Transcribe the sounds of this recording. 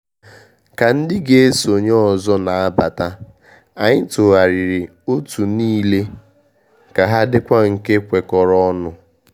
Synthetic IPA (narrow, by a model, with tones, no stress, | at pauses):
ka˨n̩˦dɪ˦ɡe˦e˦so˨ɲɔ˦ɔ˨zɔ˦na˨a˦ba˨ta˦ | a˨ɲɪ˦to˨a˨ɾi˨ɾɪ˨ | o˦tu˨niː˦le˦ | ka˨ɦa˦dɪ˦kʷa˦ŋ̩˨ke˦kʷe˨kɔ˨ɾɔ˦ɔ˦nʊ˨